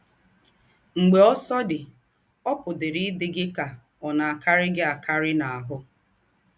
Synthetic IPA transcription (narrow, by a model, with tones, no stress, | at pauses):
ŋ͡m̩˨ɡ͡be˨ɔ˦sɔ˦dɪ˨ | ɔ˦pʊ˨dɪ˨ɾɪ˦dɪ˦ɡɪ˦ka˨ | ɔ˨na˨a˨ka˦ɾɪ˦ɡɪ˦a˨kʰa˦ɾɪ˦na˨a˨ɦʊ˦